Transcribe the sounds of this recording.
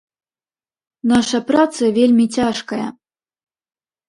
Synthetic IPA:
naʂɐpɾat̪sɨɐvʲelʲmʲit͡sʲaʂkɐjɐ̰

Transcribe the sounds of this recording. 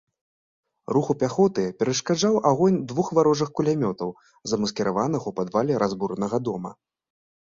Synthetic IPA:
ruxupʲaxɔt̪ɨpʲɛɾɐʂkaʐawʔaɣɔnʲd̪vuxvaɾɔʐɨxkulʲamʲɔt̪ɐw | zɐmɐskʲɛɾavanɨɣupad̪valʲɛɾazbuɾnɐɣɐd̪ɔmɐ̰

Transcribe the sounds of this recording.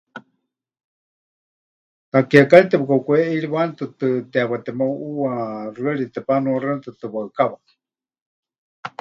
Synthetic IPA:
t̪akiakalit̪ɛpɨkakuɛʔiɺiβant̪ɨt̪ɨt̪ɛaβat̪ɛmawʔuarɨaɺit̪ɛpanuarɨant̪ɨt̪ɨβaɨkaβa

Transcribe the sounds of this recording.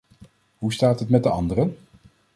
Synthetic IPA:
ɦustaːtɦətmɛt̚dəɑndərən

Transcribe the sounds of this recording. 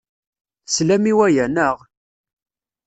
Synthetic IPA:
slæmiwæjænəʁ

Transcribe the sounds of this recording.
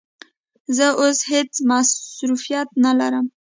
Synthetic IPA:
zəʔoshet͡smasɾufijat̪̚nalaɾəm

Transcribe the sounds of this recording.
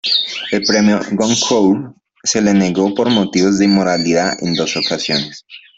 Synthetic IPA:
elpɾemjoɡoŋkʰow | se̞lene̞ɣo̞po̞ɾmot̪iβozðeimoɾaliðaʔḛnd̪o̞sokasjones

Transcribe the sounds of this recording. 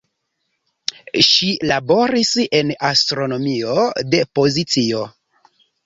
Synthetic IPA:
ʃilabo̞ɾise̞nastɾo̞no̞mio̞de̞po̞zit͡sio

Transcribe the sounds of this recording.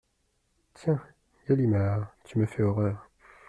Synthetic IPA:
t̪jɛ̃ | jalimaʁt̪yməfɛɔʁœːʁ

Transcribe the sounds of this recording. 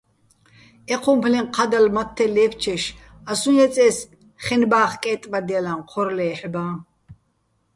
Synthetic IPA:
ɛqʰumpʰlɛqʰad̪almat̪ʰːɛlɛːft͡ʃʰɛʃ | asunɛt͡sʼɛːs | χɛnbaːχkʼɛːt̪ʼbad̪ialanqʰɔɾlɛːħbaː

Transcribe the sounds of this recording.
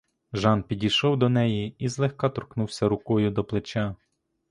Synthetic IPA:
ʒɑnpʲidʲijʃɔwd̪ɔnɛjiizlˠɛxkɑt̪ɔrknuwsʲɐɾʊkɔjʊd̪ɔplˠet͡ʃʲɑ

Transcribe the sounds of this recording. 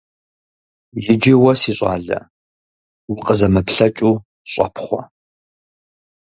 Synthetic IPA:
jɪd͡ʒewɐsiːɕʼɑ̰ːɮɐ̰ | wʊqʼəzɐmɨpʰɬɐt͡ʃʼuː | ɕʷʼɑ̰pʰχʷɔ̰

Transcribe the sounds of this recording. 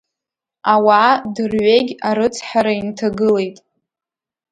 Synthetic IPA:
awaːdɨrɥʷeɡʲaɾɨt͡sʰħaɾaintʰaɡɨle̞jtʼ

